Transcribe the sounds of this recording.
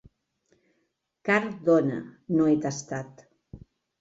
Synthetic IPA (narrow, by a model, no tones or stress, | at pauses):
kaɾd̪onə̰noet̪ast̪at̪